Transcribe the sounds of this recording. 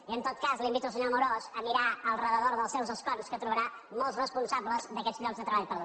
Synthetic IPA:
iənt̪ot̪kazlimbit̪uəlˠs̬əɲɔmuɾozəmiɾaəlˠrəðəðoɾðəlˠsɛwzəskɔrskət̪ɾuβəɾa | mɔlˠsrəspunsabləzd̪əkɛd͡zʎɔkɡzðət̪ɾəβaʎpəɾðo

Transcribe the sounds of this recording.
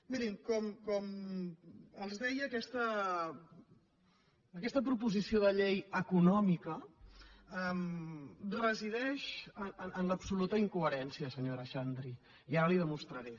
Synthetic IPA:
miɾimkɔmkɔm | əlˠzðɛjːkɛst̪ə | əːkɛst̪əpɾupuzisioðəʎejəkunɔmikə | ɛm | rəziðɛʃəəʔənləpsulut̪əiŋkuəɾɛnsiəsəɲoɾəʃand̪ɾi | iaɾəliðəmust̪ɾəɾɛ

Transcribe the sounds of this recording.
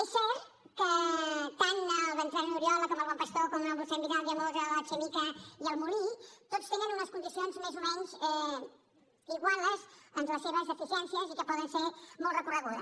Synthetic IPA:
esːɛɾt̪ | kət̪anəlˠβənʒɾannuɾiɔləkɔməlˠβɔmpəst̪okɔmunəlbulˠsɛmbiɣalˠd̪iəmozələt͡ʃemikəiəlˠmulit̪otst̪enənunəskund̪isionzmezumɛnzɛ | iɣwalˠəzənləseβəzðəfisiɛnsiəɛzikəpɔðənsemɔlˠt̪rəkurəɣuðə̰

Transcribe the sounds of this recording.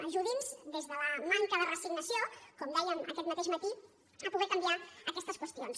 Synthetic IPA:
əʒuðinzd̪ezðələmaŋkəðərəsiɡnəsjokɔmd̪ɛjənə̰kɛt̪mət̪eʒmət̪i | əpuɣɛkəmbiaəkɛst̪əskwəst̪ions

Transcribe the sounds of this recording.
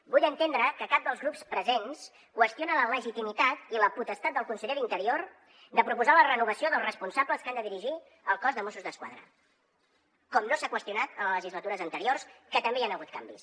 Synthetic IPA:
buʎənt̪end̪ɾəkəkap̚d̪əlˠzɣɾupspɾəzens | kwəst̪ionələləʒit̪imit̪at̪iləput̪əst̪at̪d̪əlˠkunsəʎeɾint̪əɾioɾ | d̪əpɾupuzalərənuβ̞əsioðəlˠrəspunsabləskand̪əðiɾiʒi | əlˠkɔzðəmosuzðəskwa̰ðɾə̰ | kɔmnosakwəst̪iunat̪ələləʒizlət̪uɾəzənt̪əɾiorskət̪əmbeanəɣ̞ut̪̚kambis

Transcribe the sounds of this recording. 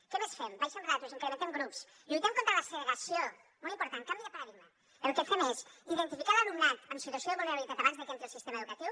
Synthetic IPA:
kɛmesfɛmbajsəmrat̪uzəŋkələmənt̪emɡɾups | lujt̪ɛmkont̪ɾələsələɾəsio | molimpuɾt̪aŋkambiðəpəɾəðiɣmə | əlkɛfemesiðənt̪ifikaðəlumnat̪əmsit̪uəsjoəβuneɾaβit̪at̪aβanzðəkɛnt̪ɾəsist̪emɐəðukət̪iw

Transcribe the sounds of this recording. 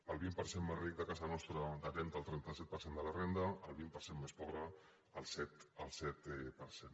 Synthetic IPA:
əlˠβimpəɾsemmezrik̚d̪əkazanɔst̪ɾəd̪ət̪ɾɛnt̪əlˠt̪ɾɛnt̪asɛt̪̚pəɾsend̪ələrend̪əəlˠβimpəɾsemmespɔɣɾəː | lˠsɛt̪əlˠsɛt̪ɛpəɾsen

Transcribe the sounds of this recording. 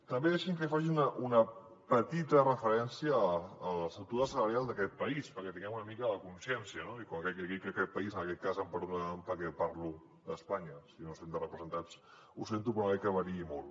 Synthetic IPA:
t̪əmbeðɛʃiŋkəfaʒiunəʔunə | pət̪it̪ərəfəɾɛnsiəːləsət̪uðəsələɾjalˠd̪əkɛt̪̚pəispəɾkɛt̪iŋɡɛmunəmikələkunsjɛnsiənoikoŋkɛkəkikɛkːɛt̪̚pəizənəkɛt̪̚kazəmpəɾðumpəkɛpaɾlu | d̪əspaɲəsinosend̪ərəpɾəzənt̪at͡s | usent̪upɾonɛkəβəɾiimolˠ

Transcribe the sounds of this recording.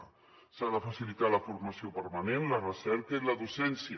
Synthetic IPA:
saðəfəsilit̪aləfuɾməsiopəɾmənenlərəsɛɾkəiləðusɛnsiə

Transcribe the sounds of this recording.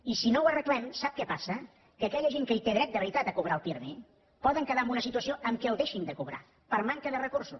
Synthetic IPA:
isinowərəklɛmsap̚kɛpasə | kəːkɛʎəʒeŋkəit̪eðɾɛt̪̚d̪əβəɾit̪at̪əkuβ̞ɾaəlˠpiɾme | pɔðəŋkəðaəmbunəsit̪uəsioʔəmkɛlˠðeʃind̪əkuβɾa̰ | pəɾmaŋkəðərəkuɾsu

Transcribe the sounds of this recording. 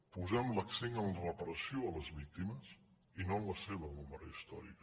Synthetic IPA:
puzɛmləkseŋənlərəpəɾəsioələzβik̚t̪iməs | inoənləseβəuməɾə̰ist̪ɔ̰ɾḭk

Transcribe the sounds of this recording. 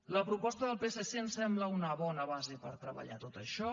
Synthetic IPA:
ləpɾupɔst̪əðəlˠpeseseənsɛmbləunəβɔnəβazepəɾt̪ɾəβə̰ʎa̰t̪ot̪əʃɔ

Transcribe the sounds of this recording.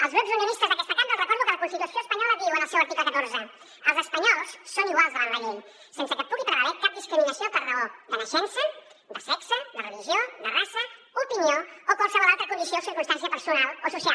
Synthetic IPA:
alˠzɣɾɛpzunjonist̪azðakɛst̪akand̪alrakɔɾðupəlapulit̪ik̪osjoespaɲɔlaðiwanasɛwaɾt̪ikakat̪oɾzə | əlˠzespaɲɔlsːonuazanlaʎeɲ | sensəkəpːuɣip̪ɾəβaɾɛkap̪̚d̪iskɾiminasjopəɾraod̪əlasɛnsə | d̪əsɛksəd̪əreliʒjod̪ərasə | upinjookwalsaβaðalˠt̪ɾəkund̪isjosiɾkunst̪ansijapəɾsunalosusja

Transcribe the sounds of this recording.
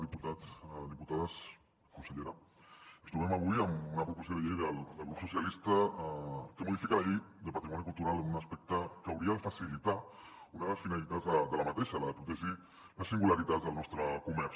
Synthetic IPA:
ðiput̪ad̪iput̪aðas | kunsəʎeɾaəst̪uβɛmaβujəmunapɾupusoðəʎejðəld̪əlɣupsusjalist̪a | kəmuðifikalaʎejd̪əpat̪ɾimɔnikulˠt̪uɾaləmunaspɛk̚t̪əkawɾiaðəfasilit̪aunaðələsfinalit̪azðəd̪əlamat̪eʃalaðəpɾut̪eʒi | ləsiŋɡulaɾit̪ad͡zðəlnɔst̪ɾəkumɛɾ

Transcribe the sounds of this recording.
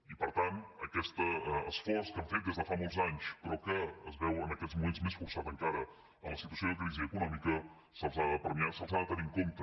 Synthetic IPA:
ipəɾt̪anəkɛst̪əəsfɔɾskəɱfet̪̚d̪ɛzðəfamɔlˠzaɲspəɾɔkəːzβɛwənəkɛzmumenzmesfuɾsat̪əŋkaɾə | əmləsit̪uəsioðəkɾiziəkunɔmikə | səlˠzaðəpəɾmiasəlˠzaðət̪əniŋkont̪ə

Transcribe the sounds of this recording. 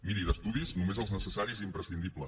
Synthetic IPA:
miɾiðəst̪uðiznumezəlˠznəsəsaɾiziːmpɾəsind̪iplə

